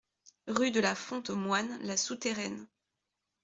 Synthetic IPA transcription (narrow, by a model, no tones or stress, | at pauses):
ʁyd̪əlafɔ̃t̪mwanlasut̪eʁɛn